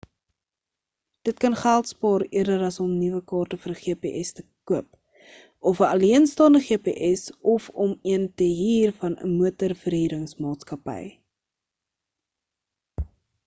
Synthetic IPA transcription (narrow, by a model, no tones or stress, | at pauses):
d̥ət̚kɐnχælˠtspɑːɾiərdəɾɐsɔmnivəkɑːrtəfəɾəχiəpeːʔɛstə̥kuəp | ɔfəɐliənstɑːndəχiəpḛːʔɛsɔfɔmiəntəɦiːrfɐnə̰muətərfərɦiːɾəŋsmɑːtskɐpə̰j